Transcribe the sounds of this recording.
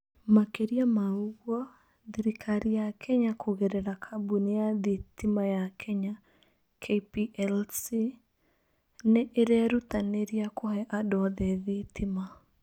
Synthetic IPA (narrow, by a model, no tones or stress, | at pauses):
makeɾiamauɣwɔ | ðeɾikʰaɾijakʰɛɲakʰoɣeɾɛɾakʰabunejaðitimajakʰɛɲa | kʰepiʔɛlsi | neʔeɾɛɾutaneɾiakɔhɛʔadɔðɛðitʰima